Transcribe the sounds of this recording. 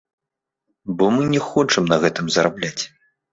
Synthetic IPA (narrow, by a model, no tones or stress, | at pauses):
bɔmɨnʲɛxɔt͡ʂɨmnɐɣɛt̪ɨmzɐɾablʲat͡sʲ